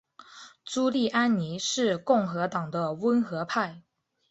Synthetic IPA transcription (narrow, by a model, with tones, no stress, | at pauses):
t͡su˥li˥˩ʔa˥nni˧˥ʂɻ̩˥˧kʊ˥˩ŋxɤ˧˥t̪ɑ˨˩ŋd̪ə˦wə˥nxɤ˧˥pʰa˥˩ɪ